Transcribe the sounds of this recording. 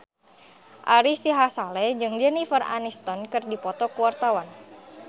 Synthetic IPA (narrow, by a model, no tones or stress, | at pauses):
ʔaɾisiɦasalɛd͡ʒɨŋd͡ʒɛnifəra̰nist̪ɔnkɨrdipɔt̪ɔkuwart̪awan